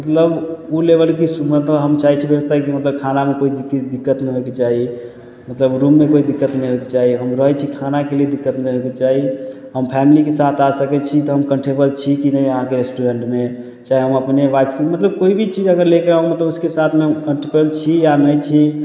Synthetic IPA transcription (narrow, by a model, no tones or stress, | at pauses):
mət̪ləbulebəlkismət̪əɦəmt͡ʃaɦit͡ʃʰibjəbəst̪ʰakimət̪ləb̚kʰanamekoid̪ikːd̪ikːət̪nəɦoeket͡ʃaɦi | mət̪ləbɾumːekoid̪ikːət̪nəjɦoeket͡ʃaɦiɦəmɾəɦt͡ʃʰikʰanakelied̪ikːət̪nəjɦoket͡ʃaɦi | ɦəmpʰɛmilikesat̪ʰasəkɛt͡ʃʰit̪ɔɦəmkəɳʈebəlt͡ʃʰikinəiəɦãkeɾesʈuɾeɳʈme | t͡ʃaɦiɦəməpneʋajpʰkemət̪ləb̚koibʱit͡ʃid͡ʒəɡəɾlekeɾaɦumət̪ləbuskesat̪ʰmekəɳʈebəlt͡ʃʰijanəjt͡ʃʰi